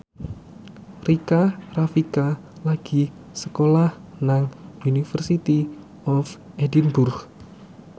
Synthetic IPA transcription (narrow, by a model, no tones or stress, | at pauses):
rikarafika | laɡ̥i | səkolahnaŋunifərsit̪i | ɔf | ʔedinbʊrɡ